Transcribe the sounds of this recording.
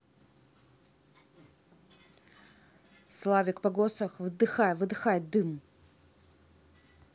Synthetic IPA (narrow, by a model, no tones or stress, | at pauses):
slˠavʲɪkpɐɡosɐxvɨd̪ɨxajvɨd̪ɨxajd̪ɨm